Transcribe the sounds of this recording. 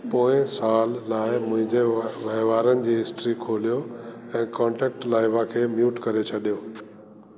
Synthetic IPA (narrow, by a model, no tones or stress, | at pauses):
poːɪ̃saːlːaːɪmʊ̃ɦɪ̃ɲd͡ʑeʋɐɦʋaːɾənɪ̆d͡ʑiːɦɪsʈɾikʰoːlijoɛ̃ːkɔ̃ːɳʈɛːk̚ʈlaːɪʋãkʰeːmjuːʈkɐɾet͡ɕʰɐɗijoː